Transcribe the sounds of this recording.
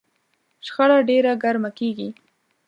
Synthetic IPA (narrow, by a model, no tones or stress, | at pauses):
ʃxaɽaɖeɾaɡaɾmakeɡi